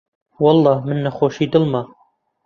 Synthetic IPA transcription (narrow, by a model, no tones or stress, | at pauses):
wɑlˠˤːɑːmɨnːɐxoːʃiːd̪ɨlmɑ